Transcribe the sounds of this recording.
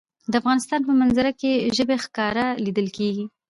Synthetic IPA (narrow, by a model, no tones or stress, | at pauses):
d̪əafɣɑnɪst̪ɑnpəmanzaɾakeʒəbexkɑɾalid̪əlkeɡi